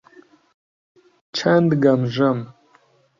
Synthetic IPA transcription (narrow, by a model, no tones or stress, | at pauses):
t͡ʃʰɐnd̪ɡɐmʒɐm